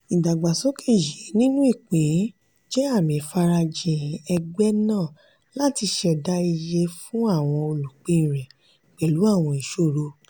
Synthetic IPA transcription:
ĩ˨da˨ɡ͡ba˨sɔ˦kʰe˦˨je˨˦nĩ˦nũ˦i˦˨k͡pẽ˨˦ | d͡ʒɛ˦a˦˨mĩ˨˦fa˧ɾa˧d͡ʒẽ˨˦ɛ˧ɡ͡bɛ˦nãː˦˨ | la˨˦ti˧ʃɛ˧da˦i˧je˧fũ˦a˦˨w̃ɔ̃˧o˧lu˨k͡pĩ˦˨ɾ̃ɛ̃˨ | k͡pɛ˨lu˨˦a˦˨w̃ɔ̃˧ĩ˨ʃo˦˨ɾo˧

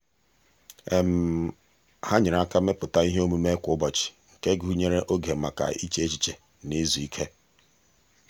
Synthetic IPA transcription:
e˨m̩˨ | ha˦ɲɪ˨ɾa˦ka˦me˦pʊ˨ta˦i˦ɦe˦o˦mu˦me˦kʷʊ˨ʊ˦bɔ˨t͡ʃɪ̥˨ŋ̩˨ke˦ɡu˦˨u˦ɲe˦ɾe˦ʔo˦ɡe˨˦ma˨ka̰˨ḭ˦t͡ʃe˦e˦t͡ʃi˨t͡ʃe˨ | ne˦zu˨i˦kʰe˦

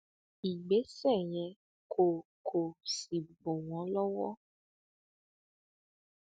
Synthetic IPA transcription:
i˨ɡ͡be˨˦sɛ˦˨j̃ɛ̃˨ | kʰo˨kʰo˨si˨bo˨w̃ɔ̃˨˦lɔ˦wɔ˦

